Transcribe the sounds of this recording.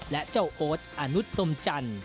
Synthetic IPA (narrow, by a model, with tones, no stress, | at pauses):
lɛ˦˥ʔt͡ɕo˥˩wʔoː˦˥t̪̚ʔa˧nu˦˥t̪̚pʰlo˧mt͡ɕa˧n